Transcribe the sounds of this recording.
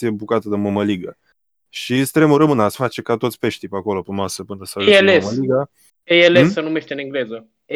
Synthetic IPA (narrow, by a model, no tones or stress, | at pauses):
ijebukat̪əd̪əməməliɡə | ʃist̪ɾemuɾəmɨnasfat͡ʃe̞kat̪o̞t̪sʲpe̞ʃt̪ijpeako̞lo̞pemasəpɨnəsaeleməliɡa | ejelessənumeʃt̪eɨniŋɡle̞zə